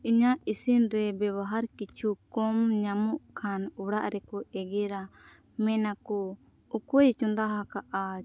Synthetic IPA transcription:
iɲaʔisinɾɛbɛβaɦaɾkit͡ʃʰukɔmɲamɔʔkʰanuɽaʔɾɛkɔɛɡɛɾa | mɛnakɔ | ukɔjt͡ʃɔnd̪aɦakaʔa

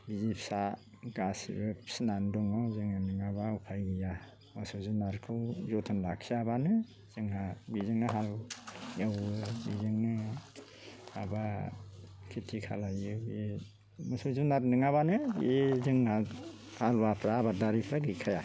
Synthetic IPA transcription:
bizipʰsa | ɡ̥asḭbɯsnandɔŋɔzɯŋɯnɯŋabaupʰajɡɯja | mɔsɔzunaɾkʰɯwzɔtʰɔnlakʰsiabanɯ | z̥ɯŋabizɯŋnɯɦaljawɯbizɯŋnɯ | aba | kʰitʰikʰa̰lajɯe | mɔsɔzunaɾnɯŋaβanɯezɯŋa | halbapʰɾaːbadaɾipʰɾaɡɯkʰaja

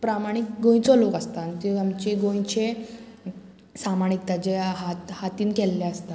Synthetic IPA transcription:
pɾamaɽ̃ikɡõj̃t͡sɔlokəst̪ant̪iamt͡ɕiɡõj̃t͡ɕe | samaɽ̃ik̚t̪ad͡ʑeɦat̪hat̪iːnkɛlːeəst̪a

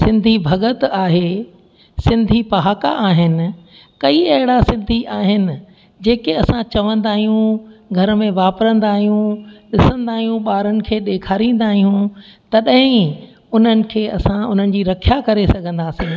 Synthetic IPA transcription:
sɪ̃nd̪ʱibʱɐɡət̪aːɦe | sɪ̃nd̪ʱipɐɦaːka̰ʔaːɦɪnɪ̆ | kɐiɐɦɪɽasɪ̃nd̪ʱiʔaːɦɪnɪ̆ | d͡ʑeːkeɐsãt͡ɕɐʋə̃nd̪aːɦijũɡʱɐɾmẽʋaːpɾə̃nd̪aːɦijũɗɪsə̃nd̪aːɦijũɓaːɾənɪ̆kʰeːɗeːkʰaːɾĩːnd̪aːɦijũt̪ɐɗɐ̃ɦɪ̃ | ʊn̤ənɪ̆kʰeːɐsãʊn̤ənɪ̆d͡ʑiːɾɐkʰijakɐɾesɐɡʱə̃nd̪aːsĩː

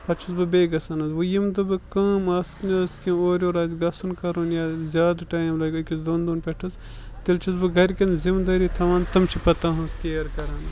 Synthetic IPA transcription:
pɐt͡ʃʰisbɨbeːɡɐsɐnɐzʋɨjimd̪ɨbɨkaːmɐːsnʲɐskʲĩoːɾʲoːɾaːzʲɡɐsunkɐɾunjaːzʲaːd̪ʈaːjimlɐːkʲɐkʲisd̪oːnd̪unpʲeʈʰɐs | t̪ilt͡ʃʰisbɨɡɐɾkʲɐnzimd̪ɐːɾit̪ʰɐʋaːnt̪ɐmt͡ʃʰipɐt̪aːɦɐskʲeːɐɾkɐɾɐn

